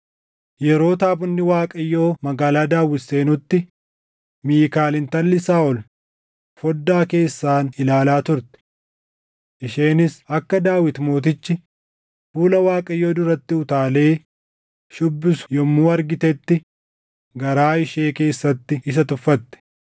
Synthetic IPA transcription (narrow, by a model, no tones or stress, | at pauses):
jɛɾo̞ːt̪aːbʊnːɪwaːkʼɐjːo̞ːmɐɡaːlaːd̪aːwːɪsːe̞ːnʊt̪ːɪ | miːkaːlɪnt̪ɐnlɪsaːɔl | fɔd̪ːaːke̞ːsːaːnɪlaːlaːt̪ʊɾt̪ɛ̥ | ʔɪʃeːnɪsɐkːɐd̪aːwɪt̪moːt̪̬ɪt͡ʃːɪ | fuːlɐwaːkʼɐjːoːd̪ʊɾɐt̪ːɪʊt̪aːle̞ː | ʃʊbːɪsʊ̥jɔmːuːɐɾɡɪt̪ɛt̪ːɪ | ɡɐɾaːɪʃe̞ːke̞ːsːɐt̪ːɪɪs̬ɐt̪ʊfːɐt̪ːɛ̥